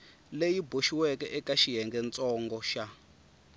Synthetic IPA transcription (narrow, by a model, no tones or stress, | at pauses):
lejiboʃiwɛkɛʔɛkaʃiɦɛŋɡɛnt͡sʼɔŋɡɔʃa